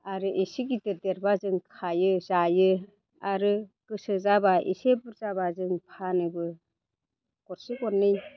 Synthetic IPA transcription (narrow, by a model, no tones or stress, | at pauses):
aɾɯʔisiɡiteɾdeɾbazɯŋkʰajɯzajɯ | aɾɯkɯsɯzabaʔḭsebɯɾzabazɯŋpʰanɯbɯ | kɔɾsikɔɾnɯj